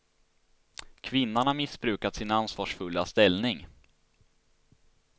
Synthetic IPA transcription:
kʰvɪnːaɳamɪsbɾʉ̟ːkat̪sɪnansvɑːʂfɵlːast̪ɛlnɪŋ

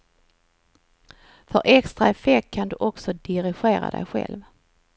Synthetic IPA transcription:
fœɾʔɛkst̪ɾaɛfɛkʰːand̪ɵʔɔksɔd̪ɪɾɪɧeːɾa̰d̪ɛ̰jɧɛ̰lv

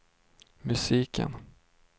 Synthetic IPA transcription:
mɵsiːkʰə̰n

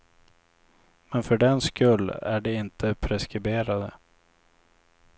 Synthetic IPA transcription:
mɛnfœɖɛnskɵlːæɖɛɪnt̪ʰəpʰɾɛskɾɪbeːɾad̪ə̰

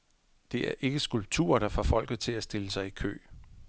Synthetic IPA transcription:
d̥e̝ʔæɐʔe̝ɡ̥əsɡ̥ulb̥̚t͡sʰṵɐd̥ɑ̈fɒ̰fɒ̽l̰ɡ̥ð̞̩ˠt͡sʰe̝læsd̥e̝ləsɑ̈ɪikʰø̰ː

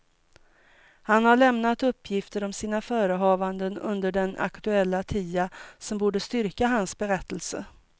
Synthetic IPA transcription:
hanhaɭɛmnat̪ɵpːjɪft̪əɾɔmsiːnafœːɾəɦɑːvand̪ənɵ̰nd̪əɖɛnʔa̰kt̪ɵɛlːat̪ʰiːasɔmbuːɖəst̪ʏɾkaɦansbɛɾɛt̪ːəlsə̰

